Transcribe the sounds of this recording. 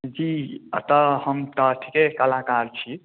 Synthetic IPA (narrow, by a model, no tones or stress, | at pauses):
d͡ʒit̪əhəmt̪əʈʰikekəlakaɾt͡ʃʰi